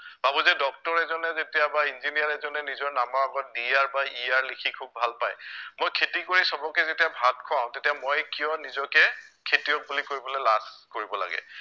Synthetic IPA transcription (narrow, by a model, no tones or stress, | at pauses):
b̥abuzɛdɔk̚tɔɹɛzɔnɛzetijabainzinijaɹɛzɔnɛnizɔɹnamaɹaɡɔt̚dijaɹbaijaɹlikʰikʰubʱalpajmojkʰetikoɹisɔbɔkɛzetijabʱat̚kʰɔãʊ̃tetijamojkijɔnizɔkɛkʰetijɔk̚bulikoɹibɔlojlaskoɹibɔla̰ɡɛ̰